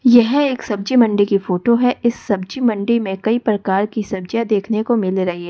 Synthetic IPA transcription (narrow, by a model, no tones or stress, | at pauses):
jɐɦeːksɐbd͡ʒimɐ̃ɳɖikifoːʈoɦɛʔɪsːɐbd͡ʒimɐ̃ɳɖimẽkɐipɾɐkaːɾkisɐb̚d͡ʒjad̪eːkʰnekomɪlɾɐɦiɦɛː